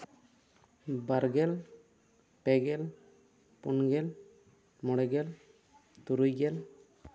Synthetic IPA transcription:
baɾɡɛl | pɛɡɛl | punɡɛl | mɔɽɛɡɛl | t̪uɾujɡɛl

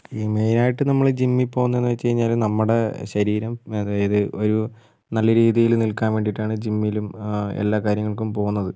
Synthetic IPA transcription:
iːmejnaːjiʈːɨnɐmːɐɭd͡ʑimːipo̞ːɣunːɐenːuʋɐt͡ɕːt͡ɕejiɲːaːlnɐmːuɽeɕɐɾiːɾɐmɐðaːjɐðɨʔo̞ɾu | nɐlːɐɾiːðijilnilkaːnʋe̞ːɳɖiʈːaːɳɨd͡ʑimːilumḛlːaːkaːɾjɐŋːɐɭkumpo̞ːɣunːɐðɨ

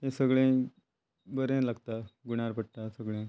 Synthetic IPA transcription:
ɦẽsəɡɭẽ | bəɾẽlaɡt̪aɡuɽ̃aɾpəɽʈ̪asəɡɭẽ

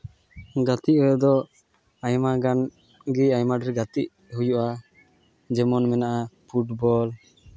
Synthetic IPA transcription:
ɡat̪iʔwd̪ɔ | ajmaɡan | ɡiajmaɖɛɾɡat̪iʔ | hujuʔa | d͡ʒɛmɔnmɛnaʔapʰuʈbɔl

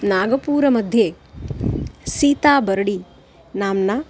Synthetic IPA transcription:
naːɡɐpuːɾɐmɐd̪ʱje | siːt̪aːbɐɾɐɽi | naːmnɐ

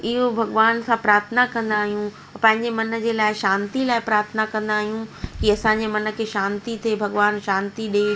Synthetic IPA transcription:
ɪɦobʱɐɡʋaːnsãpɾaːɾt̪ʰnakɐ̃nd̪aːɦijũ | pɐ̃ɦɪ̃ɲd͡ʑemɐnə̆d͡ʑeːlaːɪʃãːnt̪ilaːɪpɾaːɾt̪ʰnakɐ̃nd̪aːɦijũkiɐsãɲd͡ʑemɐnə̆kʰeːʃãːnt̪it̪ʰebʱɐɡʋaːnʃãːnt̪iɗe

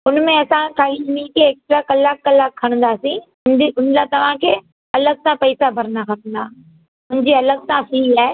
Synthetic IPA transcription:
ʊnmẽɐsãkaːilmiːkeːkst̪ɾakɐlaːkːɐlaːkʰːɐɽ̃nd̪aːsĩ | ʊnlat̪ɐʋ̤ãkʰeː | ɐləɡ̚sãpɐɪsabʱɐɾnakʰɐt̪nd̪aː | ʊnɪd͡ʑiɐləɡ̚tãsiaːe

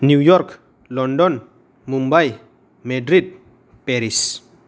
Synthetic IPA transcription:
nujɔɾk | lɔndɔn | mumbaj | medɾid̚ | pɛɾis

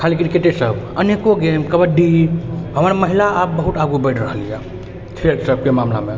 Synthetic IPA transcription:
kʰalik̬inkeʈ̪esəbənekoɡemkəbəɖiɦəməɾməɦilaap̚bəɦut̪aɡubəɪʈɾəɦəlijɛ | t̪ʰeɾsəb̚ʱkemamla̰me

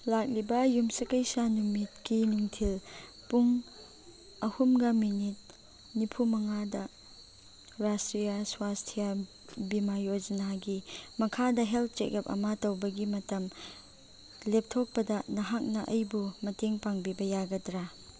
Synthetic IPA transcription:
lak̚libɐjumsɐkɐjsanumit̚kinuŋtʰil | puŋ | ɐhumɡɐminit̚ | nipʰumɐŋadɐ | ɾastɾijɐswastʰija | bimajod͡ʒɐnaɡimɐkʰadɐɦelt̚ʰt͡ʃek̚ɐp̚ɐ̰matɐwbɐɡimɐtɐm | lep̚tʰok̚pɐdɐnɐɦak̚nɐʔɐjbumɐteŋpaŋbibɐjaɡɐdɾa

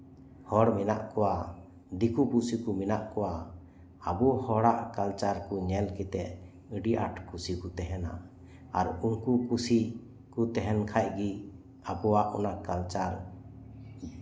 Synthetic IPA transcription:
hɔɽminaʔkɔwa | d̪ikupusikuminaʔkɔwa | a̰bɔhɔɽaʔkalt͡ʃaɾkuɲɛlkit̪ɛʔ | əɖiʔa̰ʈʰkusikut̪ɛɦɛna̰ | aɾunkukusi | kut̪ɛɦɛnkʰaʔ̚ɡi | abɔwaʔɔnakalt͡ʃaɾ

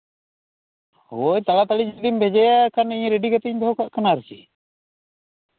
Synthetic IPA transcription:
ɦojt̪alat̪alid͡ʒd̪imbʱɛd͡ʒɛjakaniɲɾeɖikat̪ɛɲd̪ɔɦɔkaʔkanaɾɛsḭ

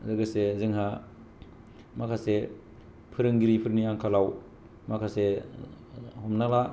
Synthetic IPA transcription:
zɯɡɯsezɯŋɦa | makʰase | pʰɯɾɯŋɡiɾipʰɯɾŋniaŋkʰalaw | makʰase | hɔmnala

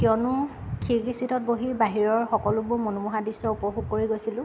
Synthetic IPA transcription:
kjɔnʊ | kʰiɹkisitʰɔt̚boɦibaɦiɹɔɹxɔkɔlʊbʊɹmonumuɦadisɔupɔɦuɡ̚koɹiɡojsilʊ̃

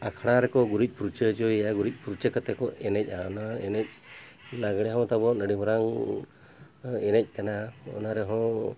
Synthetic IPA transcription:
akʰɽ̃aɾɛkɔɡuɾic̚ˀpuɾut͡ʃəd͡ʒɔjaɡuɾic̚ˀpuɾut͡ʃəkət̪ɛkɔʔɛnɛc̚ˀaɔnaɛnɛc̚ˀ | naɡɽɛjaw̃t̪abɔnəɖimɔɾaŋ | ɛnɛc̚ˀkanaɔ̰naɾɛɦɔ̃

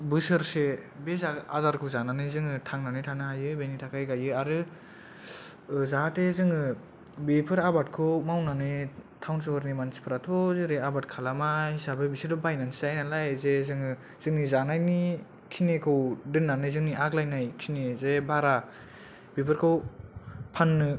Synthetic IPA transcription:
bɯsɯɾsebezaazaɾkʰɯwzananɯjzɯŋɯtʰaŋnanɯjtʰanɯɦajɯbenitʰakʰajɡajɯaɾɯ | zaɦatezɯŋɯ | bepʰɯɾabat̚kʰɯwmawnanɯjtʰawns̬ɯhɔɾnimansi̥pʰɯɾatʰɔzɯɾeabat̚kʰalamahisabɯbisidɔbajnansizajnalajzezɯŋɯ | zɯŋnizanajni | kʰinekʰɯwdɯnːanɯzɯŋniʔaɡlajnajkʰinezebaɾa | bepʰɯɾkʰɯw | pʰanːɯ

